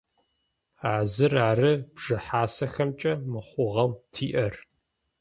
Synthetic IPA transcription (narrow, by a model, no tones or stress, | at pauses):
aːzɨraːrɨb̥ʐ̥ɨħaːsɐxɐmt͡ʃʼɐmɨχʷʊʁɐwtʰiːʔɐr